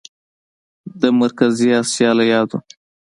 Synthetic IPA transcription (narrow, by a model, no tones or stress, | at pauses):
d̪əmaɾkaziɑsjɑlajɑd̪o